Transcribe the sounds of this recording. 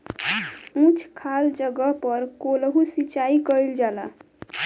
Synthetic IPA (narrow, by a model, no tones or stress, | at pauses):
ũt͡ʃʰkʰald͡ʒəɡəpəɾkolɦusit͡ʃaikəild͡ʒala